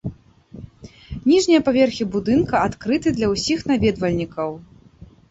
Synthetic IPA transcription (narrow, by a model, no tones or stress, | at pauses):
nʲiʐnʲijɐpavʲɛrxʲibud̪ɨnkɐat̪kɾɨt̪ɨd̪lʲɐwsʲixnavʲɛd̪vɐlʲnʲikɐw